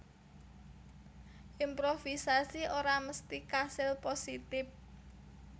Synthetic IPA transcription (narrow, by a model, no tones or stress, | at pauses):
ʔimpɾofisasioɾaməst̪ikasɪlposit̪ɪf̚